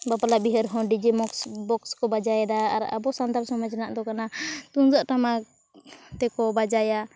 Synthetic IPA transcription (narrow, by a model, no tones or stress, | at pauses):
bapalabiɦəɾɦɔ̃ɖid͡ʒimɔksbɔkskɔbad͡ʒajɛd̪a̰ːɾa̰bɔsand̪aɾsɔmad͡ʒnaʔd̪ɔkanat̪und͡ʒaʔʈama | t̪ɛkɔbad͡ʒaja